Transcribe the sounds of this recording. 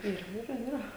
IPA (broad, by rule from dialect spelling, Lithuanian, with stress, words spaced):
ˈɪrʲɡʲɪ iːˈrɐ iːˈrɐ